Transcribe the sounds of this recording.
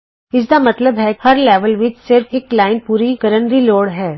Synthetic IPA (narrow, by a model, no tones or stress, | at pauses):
ɪs̬d̪amɐt̪ləbɦɛhɐɾlɛːʋəlʋɪt͡ʃsɪɾfeːklaːɪnpuːɾikɐɾənɾiloːɽɦɛː